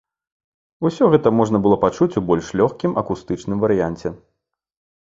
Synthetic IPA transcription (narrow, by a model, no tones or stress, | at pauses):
usʲɔɣɛt̪ɐmɔʐnɐbɨlˠɔpat͡ʂut͡sʲubɔlʲʂlʲɔxkʲimʔɐkust̪ɨt͡ʂnɨmvɐɾɨjanʲt͡sʲɛ